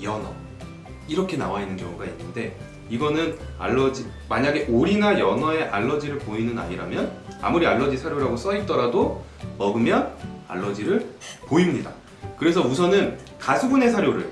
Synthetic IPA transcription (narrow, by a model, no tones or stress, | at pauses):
jʌna̰ | iɾʌkʰe̞na̰wainːɯnkjʌŋuɡainːɯnde̞ | iɡʌnɯna̰ɭːʌd͡ʑimaɲaɡe̞ʔoɾinajʌnae̞ʔaɭːʌd͡ʑiɾɯɭpoinɯna̰ɲiɾamjʌna̰muɾiaɭːʌd͡ʑisʰaɾjoɾaɡos͈ʌiɭt͈ʌɾado | mʌɡɯmjʌna̰ɭːʌd͡ʑiɾɯɭpoimɲida | kɯɾe̞sʰʌusʰʌnɯn | kasʰubune̞sʰaɾjoɾɯ̰ɭ